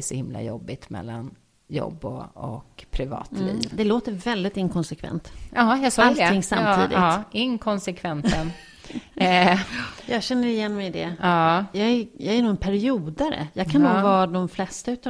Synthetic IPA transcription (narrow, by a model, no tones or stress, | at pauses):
ʂɔhɪmla̰jɔbːɪt̪mɛ̰lːan | jɔ̰bːɔɔ̰kpʰɾɪvɑ̰ːt̪lḭːvd̪ɛloːt̪əɾvɛld̪ɪt̪ɪŋkʰɔnsɛkʰvɛ̰nt̪ɑːjɑsɔalt̪ɪŋːsamːt̪ʰḭːd̪ɪ̰tːɪŋkʰɔnsɛkʰvɛnsən | jɑːɡɕɛnːəɾɪjɛnːmɛjd̪ɛɑːjɑːɡæjɑɡæɾnuːɛnpʰæɾɪuːd̪aɾə̰jɑːɡkʰanːuːɡvɑːd̪ɔmflɛst̪aʉ̟ːt̪